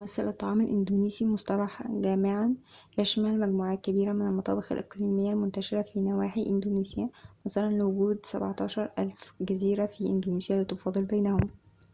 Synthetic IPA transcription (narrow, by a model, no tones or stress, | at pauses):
æsːælʔɑt̪ˤːɑʕɑːmælʔɪnd̪uniːsimosˤt̪ˤɑlɑħɡæːmɪʕanjæʃmælmæɡmuːʕaːt̪̚kæbiːɾæmɪnælmɑt̪ˤɑ̰ːbexæ̰lʔḛqliːmɪjːælmʊnt̪æʃɪɾæfiːnæwaːħiʔɪnd̪oːniːsejæmæsælænlewʊɡuːd̪sæ̰bʕɑt̪ˤɑːʃɑɾˤʔælfɡæziːɾæfiʔɪnd̪uːniːsjælɪt̪ofɑːd̪ˤɨlbejnæhom